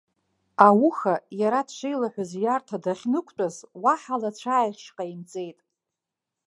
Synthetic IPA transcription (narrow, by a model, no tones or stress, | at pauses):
awuxajaɾadʃʷejlaħʷᶣazjartʰadaχʲnɨkʷʰʼt͡pʷʼazwaħalat͡ɕʷʰaːjχʲʃqʼaimt͡sʼe̞jtʼ